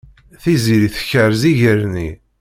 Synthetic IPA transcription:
θiziɾiθə̥çəɾziʝəɾni

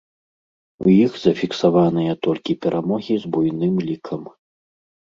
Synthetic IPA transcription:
ṵjixzɐfʲiksavanɨjɐt̪ɔlʲkʲipʲɛɾʔamɔɣʲizbujnɨmlʲikʰɐm

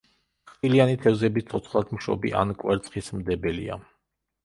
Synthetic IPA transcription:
χilianit̪ʰɛvzɛbist̪sʰɔt̪sʰχlˠad̪ʰmʃɔ̰bḭʔa̰nkʼwɛɾt̪sʰχismd̪ɛbɛlḭa̰

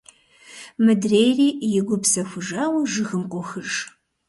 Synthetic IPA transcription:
mɨdreːjriːjɪɡʷʊpsɐxʷʊʒaːwɐʒɨxɨmqʷʼʊxɨʒ

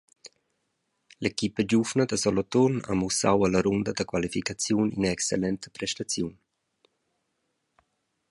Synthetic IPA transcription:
lekipəd͡ʒuvnəd̪əsɔlɔt̪ɔna̰musawaləɾund̪əd̪əkwalifikat͡sjunḭnaɛkselɛnt̪ə̥pɾɛʃt̪at͡sjun

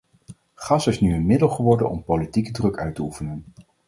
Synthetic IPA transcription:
χɑsɪsnyənmɪdəlˠχəʋɔɹdə̰nʔɔ̰mpowlitikədrɵkœɥtəufənən

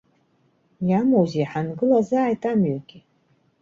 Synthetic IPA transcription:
jamowzeħanɡɨlazaːjtʰʼamɥøɡʲi

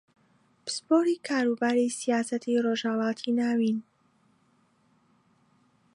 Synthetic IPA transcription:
b̥əspoːɾiːkʰaːɾuːbaːɾisijaːsɐt̪ʰiːroːʒhalɑːt̪ʰiːnaːwin

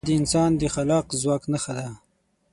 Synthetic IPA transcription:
d̪əɪnsɑnd̪əxalɑqzwɑːknaxad̪a

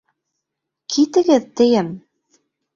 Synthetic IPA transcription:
kʰit̪ɘ̆ɡɘðt̪ɘ̆jɘm

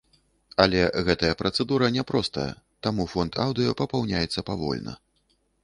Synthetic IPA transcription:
ɐlʲɛɣɛt̪ɐjɐpɾɐt̪sɛd̪uɾɐnʲɛpɾɔst̪ɐjɐ̰ | t̪amufɔnt̪ʰawd̪ɨjɐpɐpawnʲajɛt̪sːɐpavɔ̰lʲnɐ̰

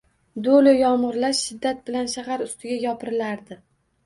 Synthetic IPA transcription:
d̪olɪjɒmʁɨɾlaʃʃɪd̪ːat̪̚bɪlanʃaɦaɾʊst̪ʰɪɡʲajɒpʰɪɾɪlaɾd̪ɪ

